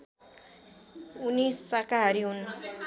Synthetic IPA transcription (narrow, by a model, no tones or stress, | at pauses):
unisːakaɦʌɾiɦun